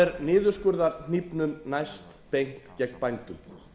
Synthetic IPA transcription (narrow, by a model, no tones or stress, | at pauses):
ɛɾnɪːðʏɾ̥skʏɾðaɾn̥ipnʏmnajst̪pejŋ̥kcɛknpajnt̪ʏm